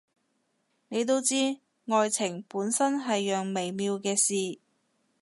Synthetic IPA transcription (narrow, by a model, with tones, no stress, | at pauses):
ne˨˧jt̪o˥wt͡siː˥ | ŋɔː˧jt͡sʰɪ˨˩ŋpuː˨˥nsɐ˥nɦɐ˨jːœː˨ŋme˨jmiː˧wkɛː˧siː˨